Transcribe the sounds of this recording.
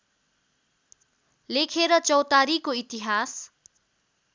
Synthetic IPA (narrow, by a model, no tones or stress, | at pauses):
lekʰeɾʌt͡sʌwt̪aɾikoit̪iɦas